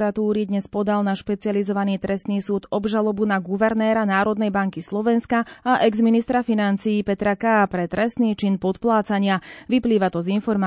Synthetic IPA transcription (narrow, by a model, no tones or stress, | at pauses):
ɾat̪uːɾid̪ɲɛspɔd̪alnaʃpɛt͡siɪalizɔʋaniːt̪ɾɛst̪niːsuːd̪ɔbʒalɔbunaɡuʋɛɾnɛːɾanaːɾɔd̪nɛjbaŋkislɔʋɛnskaaʔɛɡzminist̪ɾafinant͡sijːpɛt̪ɾakaːpɾɛt̪ɾɛst̪niːt͡ʃinpɔt̪plaːt͡saɲɪaʋipliːʋat̪ɔzinfɔɾm